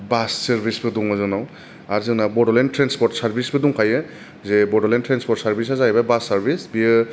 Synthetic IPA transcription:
bassaɾbʱisbɯduŋɔzɔnaw | aɾzɯnabɔdɔlentɾɛnspɔɾtsaɾbʱisbɯduŋkʰajɯ | zebɔdɔlentɾanspɔtsaɾbis̬azajbabasaɾbisbiɯ

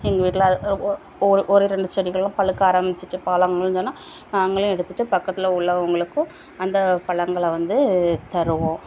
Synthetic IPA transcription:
ɛŋɡɐʋiːʈːɪl | ɾʔɔɾɯɾɛɳɖɯsɔɾɪɣɐɭlãːpɐɭɯkːaːɾɐmbɪt͡ʃːɯʈːɯpaːlɐŋɡɐɭnoːnːaː | naːŋɡɐɭʊ̃ɛɽɯt̪ːɯʈːɯpɐkːɐt̪ːɪlɐʊɭːɐʊŋɡɐɭɯkːʊ̃ | ɐnd̪ɐpɐɭɐŋɡɐɭʋɐnd̪ɯt̪ɐɾɯʋõː

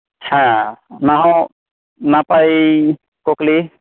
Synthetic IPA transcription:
hãnaɦɔ̃ | napaj | kɔkli

